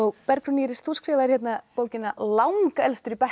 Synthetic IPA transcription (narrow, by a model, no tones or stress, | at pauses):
ɔɣpɛɾkɾʏniːɾɪst̪ʰuskɾɪːvḁçɛt̪napoːwcɪnːalawŋkaɛlst̪ʏɾipɛ